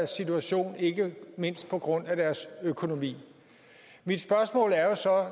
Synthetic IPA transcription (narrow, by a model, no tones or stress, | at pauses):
æɐsːit͡sʰuæɕo̝̰ːne̝ɡ̥əme̝n̰sd̥̚pʰɒ̽ɡ̥ʁɔ̽n̰æd̥æɐsøkʰo̝no̝mḭː | mid̥sb̥ɶɐsmɔ̰̽ːlæɐjo̝sɒ̽